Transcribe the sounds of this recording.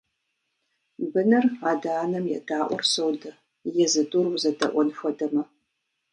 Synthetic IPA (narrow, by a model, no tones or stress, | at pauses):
bɨnɨraːdaːnɐmjɛ̰daːʔʷɔ̰rsowdɐ | jɛzɨdurwzɐdɐ̰ʔʷɔnfʷɔdɐmɐ